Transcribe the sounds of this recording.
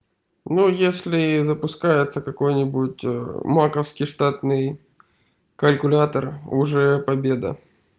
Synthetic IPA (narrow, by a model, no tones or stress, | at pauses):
nujesʲlʲɪzəpʊskajɪt̪səkɐko̞jnʲɪbʊt̚ʲmakəfskʲɪjʂt̪at̪nɨj | kəlʲkʊlʲat̪ərʊ̰ʐɛpɐbʲe̞d̪ə̰